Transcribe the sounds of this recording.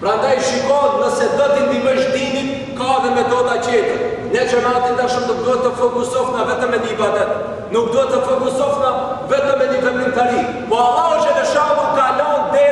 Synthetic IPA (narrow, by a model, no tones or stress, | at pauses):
pɾand̪ajʃikɔt̪nəsɛd̪ɔt̪ind̪iməʃt̪ini | kaðɛmɛd̪ɔt̪at͡ɕɛt̪əɾ | ɲɛt͡ʃəɾat̪ind̪aʃəmnuk̚d̪uɦɛt̪ːəfɔkusɔfnavɛt̪əmːɛd̪ivɛt̪ɛt̪ | nuk̚d̪uɦɛt̪ːəfɔkusɔfnavɛt̪əmːɛd̪ifɛmint̪aɾi | pɔaðaɔd͡ʒɛðɛʃaðukalɔnt̪ɛ